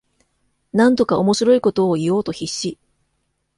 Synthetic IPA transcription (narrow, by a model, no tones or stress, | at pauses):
nãnt̪o̞kao̞mo̞ɕiɾo̞iko̞t̪o̞ːijo̞ːt̪o̞çiɕːi